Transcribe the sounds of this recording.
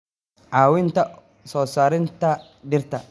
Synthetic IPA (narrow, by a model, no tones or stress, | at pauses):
ʔaːwɪnt̪ɐ | sɔːsaːɾɪnt̪ɐ | dɪrt̪ɐ